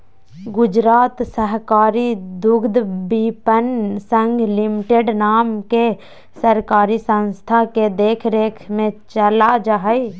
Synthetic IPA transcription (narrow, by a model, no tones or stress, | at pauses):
ɡʊd͡ʒɾaːt̪səɦkaːɾid̪ʊɡd̪bipənsə̃ŋɡʱlɪmɪʈeɖnaːmke | səɾkaːɾisə̃nst̪ʰaked̪eːkʰɾeːkʰmẽt͡ʃəlad͡ʒaɦəi